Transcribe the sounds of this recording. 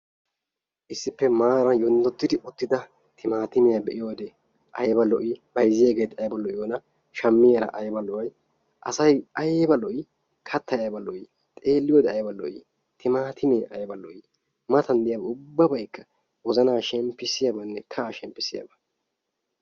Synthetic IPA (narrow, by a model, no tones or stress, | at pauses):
ʔɪsːɪpːɛmaːɾɐjɔnd̪ɔt̪ːɪd̪ɪʔʊt̪ːɪd̪ɐ | t̪ʰɪmaːt̪ɪmɛjabɛʔɪjoːd̪ɛ | ʔɐjbɐlːɔʔibɐjzɪjeːɡeːt̪ɐjbɐlːɔʔɪjoːnɐ | ʃɐmːɪjɐɾɐ̰ʔɐjbɐlɔwɐj | ʔɐ̰sɐjʔɐjbɐlɔʔɪ | kʰɐt̪ːɐjbɐlɔʔi | t̪ʼe̞ːlːɪjoːd̪ɛɐjbɐlːɔ̰ʔi | t̪ɪmaːt̪ʰɪmeːʔɐjbɐlːɔʔɪ | mɐt̪ɐnd̪ɪjaːbɐʊbːɐbɐjkːɐ | wɔzɐnaːʃɛmpːɪsɪjabɐnːɛkʰɐːʃɛmpːɪsɪja̰bɐ